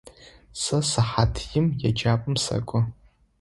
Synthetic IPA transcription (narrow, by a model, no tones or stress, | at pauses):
sɐsaħatʰjɪmjad͡ʒaːpʼɨmsa̰kʷʼʊ